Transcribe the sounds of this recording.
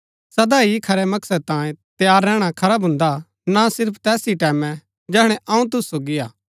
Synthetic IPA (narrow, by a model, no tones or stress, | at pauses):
sɐd̪aikʰɐɾɛmɐksəd̪̚t̪ãːjẽt̪jaːɾːɛːɽ̃akʰɐɾabɦʊ̃nd̪a | nasɪɾpʰt̪ɛːsiʈɛːmɛ̃ | d͡ʒɛːɦɽ̃ɛʔɐ̃ũt̪̬ʊsːoːɡiaː